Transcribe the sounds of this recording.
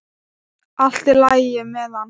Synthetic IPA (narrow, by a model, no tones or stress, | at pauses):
al̥t̪ɪlajɪmɛðan